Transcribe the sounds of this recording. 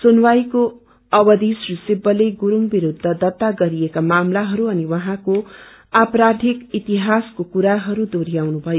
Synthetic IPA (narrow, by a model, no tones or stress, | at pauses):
sonwajko | ʌbʌd̪isrisibːʌleɡuɾuŋbiɾud̪ʱːʌd̪ʌt̪ːaɡʌɾijekamamlaɦʌɾuʌniwʌɦãko | apɾad̪ʱikit̪iɦaskokuɾaɦʌɾud̪oɾijawnubʱʌjo